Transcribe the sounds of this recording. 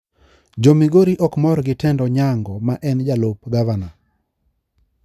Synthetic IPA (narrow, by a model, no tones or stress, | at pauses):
d͡ʒomiɡoɾiʔɔkmɔɾɡɪtɛndɔɲaŋɡɔmaʔɛnd͡ʒalopɡavana